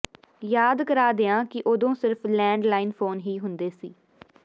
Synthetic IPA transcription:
jaːd̪kəɾaːd̪eːãːkɪʔoːd̪õːsɪɾpʰlɛ̃ːɳɖlaːɪnpʰoːnɦiːɦʊnd̪eːsiː

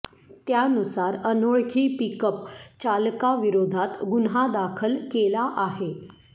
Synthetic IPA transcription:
t̪janusaɾənoɭkʰiːpikəpt͡ɕalkaʋiɾod̪ʱat̪ɡunɦad̪akʰəlkelaʔaɦe

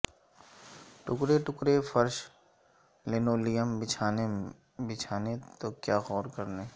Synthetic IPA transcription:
ʈʊkɾeʈʊkɾefɐɾʃ | leːnoːlijəmbɪt͡ʃʰaːne | bɪt͡ʃʰaːnet̪okjaːɣɔːɾkɐɾneː

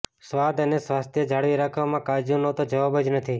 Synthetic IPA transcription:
sʋad̪ənesʋast̪ʰjəd͡ʒʱaɽʋiɾakʰʋamãkad͡ʒunot̪od͡ʒəʋabəd͡ʒnət̪ʰi

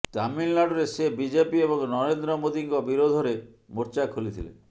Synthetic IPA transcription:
t̪amilːaɽɔɾesebid͡ʒepiebɔŋnɔɾend̪ɾɔmod̪iŋkɔbiɾod̪ʱɔɾe | moɾt͡ʃakʰulit̪ʰḭlḛ

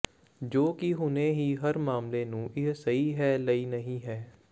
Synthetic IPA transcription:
d͡ʒoːkiɦʊneːɦiːɦəɾmaːmleːnũːʔɪɦsəɦiːɦɛːləiːnəɦĩːɦɛː

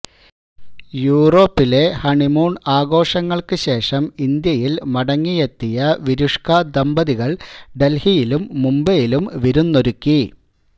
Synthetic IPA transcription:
juːro̞ːpːile̞hɐɳimuːɳaːɡo̞ːʂɐŋːɐɭkɨɕe̞ːʂɐmind̪jɐjilmɐɽɐŋːijet̪ːijɐʋiɾuʂkɐd̪ɐmbɐðiɣɐɭɖe̞lhijilumːumbɐjilumʋiɾunːoɾukːi

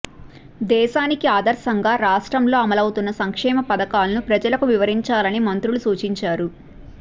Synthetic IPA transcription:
d̪ɛːʃaːnikiaːd̪ɐɾsɐŋɡaːɾaːʂʈɾɐmlo̞ːɐmɐlɐwt̪unːɐsɐŋkʂɛːmɐpɐd̪ɐkaːlɐnupɾɐd͡ʒɐlɐkuʋiʋɐɾiɲt͡ʃaːlɐnimɐnt̪ɾulusuːt͡ʃiɲt͡ʃaːɾu

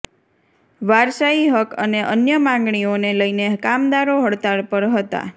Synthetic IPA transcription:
ʋaɾsaiɦəkəneʔənjəmãŋɡɳioneləinekamd̪aɾoɦəɽt̪aɾpəɾɦət̪a̰

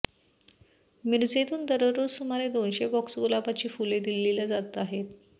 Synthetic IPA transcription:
miɾd͡zet̪uːnd̪əɾəɾod͡zsumaɾed̪onɕebɔksɡulapat͡ɕiːfuled̪ilːilad͡zat̪aɦet̪

